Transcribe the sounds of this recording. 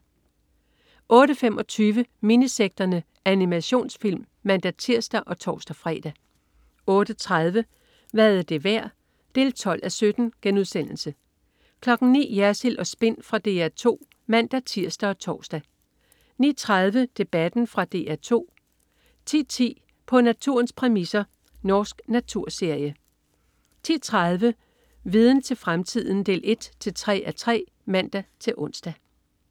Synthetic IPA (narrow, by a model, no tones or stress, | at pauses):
ʔɔ̽ːɾəfemʔɒ̽t͡sʰyːʋəminiseɡ̥̚d̥ɐnə | ænimæɕo̝̰ːnsfil̰mːæn̰d̥æt͡sʰiɐ̰sd̥æʔɒ̽t͡sʰɒ̰ːsd̥æfʁɛ̰ːd̥æ | ɔ̽ːɾ̥ət͡sʰʁað̞ˠʋə | ʋæðˠæd̥e̝ʋæɐ̰ | d̥e̝̰ːlt͡sʰɒ̽l̰ʔæsød̥n̩ɡ̥enuð̞ˠsen̰l̩sə | kʰlɒ̽ɡ̥n̩nḭːjæɐsilʔɒ̽sb̥e̝n̰fʁɑ̈d̥e̝̰ːæɐt͡sʰo̝̰ː | mæn̰d̥æt͡sʰiɐ̰sd̥æɒ̽t͡sʰɒːsd̥æ | nḭːt͡sʰʁað̞ˠʋəd̥e̝b̥æd̥n̩fʁɑ̈d̥e̝̰ːæɐt͡sʰo̝̰ː | t͡sʰḭːt͡sʰḭː | pʰɒ̽næt͡sʰuɐnspʰʁɛmisɐ | nɒːsɡ̥næt͡sʰuɐ̰se̝ɐ̰jə | t͡sʰit͡sʰʁaðˠʋə | ʋiːð̞ˠn̩t͡sʰe̝lfʁamt͡sʰið̞̰ˠn̩d̥e̝̰ːle̝d̥t͡sʰe̝lt͡sʰʁɛ̰ːæt͡sʰʁɛ̰ː | mæn̰d̥æt͡sʰe̝lʔɔ̽n̰sd̥æ